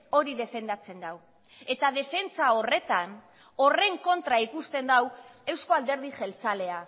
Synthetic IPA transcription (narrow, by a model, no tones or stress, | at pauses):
o̞ɾiðe̞fe̞nd̪at͡se̞nd̪aw | e̞t̪að̞e̞fe̞nt͡sao̞re̞t̪an | o̞re̞ŋko̞nt̪ɾaikust̪e̞nd̪awe̞wsko̞ald̪e̞ɾð̞iʝe̞lt͡sale̞a